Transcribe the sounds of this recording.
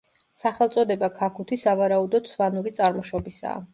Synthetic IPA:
saχɛlˠt̪sʼɔd̪ɛbakʰakʰut̪ʰisavaɾaud̪ɔd̪svanuɾit̪sʼaɾmɔʃɔbisa̰ː

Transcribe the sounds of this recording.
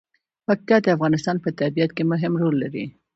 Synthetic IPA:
paqikɑd̪əafɣɑnɪst̪ɑnpət̪abijat̪kemʊɦɪmɾolːaɾḭ

